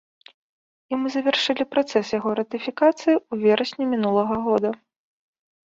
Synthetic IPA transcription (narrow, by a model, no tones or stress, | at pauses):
imɨzɐvʲɛrʂɨlʲipɾat̪sɛsjaɣɔɾɐt̪ɨfʲikat̪sɨjiuvʲɛɾɐsʲnʲimʲinulˠɐɣɐɣɔd̪ɐ